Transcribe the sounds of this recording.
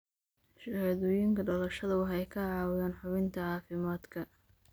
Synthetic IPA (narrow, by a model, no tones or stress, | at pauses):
ʃɐhɐðɔːjɪŋkʰɐɖɔlɐʃɐðɐwɑħɛjkʰɐʕɑːwjaːnħʊβɪnt̪ʰɐʕɑːfɪmaːd̪kʰɐ